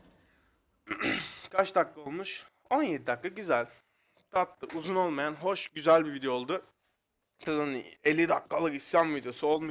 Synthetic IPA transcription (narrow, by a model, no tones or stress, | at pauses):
kʰat͡ʃd̪akːˠao̞lˠmuʃ | o̞njed̪id̪akːˠaɟyzælʲ | t̪ʰat̪lˠɯʔuzuno̞lˠmajanɦo̞ʃɟyzælʲbivid̪ejolˠd̪ʊ | t̪ʰad̪nielʲːid̪akːalˠɯkisjamvid̪ejo̞suo̞lˠma